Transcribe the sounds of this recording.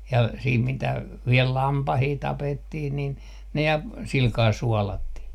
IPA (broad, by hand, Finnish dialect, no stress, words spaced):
jɑ siːt mitæ ʋiel lɑmpɑhiː tɑpetːih nin ne jɑ silkɑː suɔlɑtːih